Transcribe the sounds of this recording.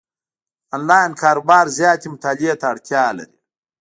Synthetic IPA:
aːnlɑːinkʰɑːɾobɑːɾzjɑːt̪imʊt̪aːliet̪aːɽt̪ʰjɑla̰ɾi

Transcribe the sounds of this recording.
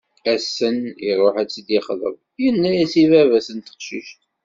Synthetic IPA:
æsəniɾˤoħæt͡sːəd̪ɪχðˤə̰vˤ | jənːæjæsivævæsənt̪ə̥qʃiʃt̪

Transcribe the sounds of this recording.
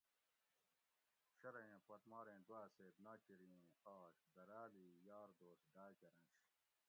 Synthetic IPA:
ɕɐɾɐjẽpɐt̪maːɾẽːd̪waːseːt̪naːkiɾiẽaːɕd̪ɐɾaːliːjaːɾd̪oːsɖaːkɐɾɐ̃nɕ

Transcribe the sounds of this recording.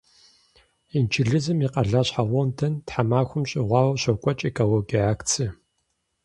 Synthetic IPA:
int͡ʃʰɪɮɨzɨmiqɐɮaːɕħaʁʷɔntʰɐntħamaːxʷʊmɕʼɪʁʷɑːwɐɕɐwkʷʼɔt͡ʃʼekʰʼoloɡiaːkt͡sʰɨ

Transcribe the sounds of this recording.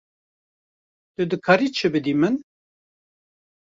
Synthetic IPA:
t̪ɨd̪ɨkʰaːɾiːt͡ʃʰɨbɨd̪iːmɨn

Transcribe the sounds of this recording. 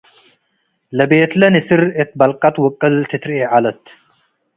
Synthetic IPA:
lɐbeːt̪lɐnisɨɾet̪̚bɐlkʼat̪wɔkʼːɐlt̪ʰit̪ɾeʕalɐt̪

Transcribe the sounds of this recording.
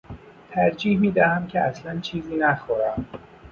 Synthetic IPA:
t̪ʰæɾd͡ʒiːhmiːd̪æhæmcʰeæslænt͡ʃʰiːziːnæxoɾæm

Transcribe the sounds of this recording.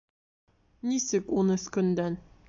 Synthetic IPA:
nisɘkunɘ̆skɵ̆nd̪æn

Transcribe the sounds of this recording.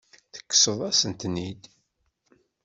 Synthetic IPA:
θə̥kːsəðˤæsənt̪nid̪

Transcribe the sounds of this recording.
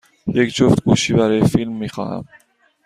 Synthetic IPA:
jekd͡ʒoft̪ɡuːʃiːbæɾɒːjefilmːiːxɒ̰ːhæ̰m

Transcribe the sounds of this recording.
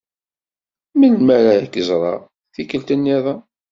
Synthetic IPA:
minmæɾaəkːəzˤɾˤɑ̰ | θikəlt̪ənjæðæ

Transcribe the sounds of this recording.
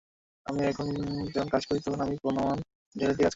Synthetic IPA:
a̰miɛkʰond͡ʑɛkʰonkad͡ʑkoɾit̪okʰonamiponaman | d͡ʑeled̪̬ikad͡ʑ

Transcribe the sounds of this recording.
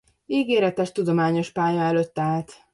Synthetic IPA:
iːɡeːɾɛt̪ɛʃt̪ud̪o̞maːɲo̞ʃpaːjɒɛløt̪ːaːlt̪

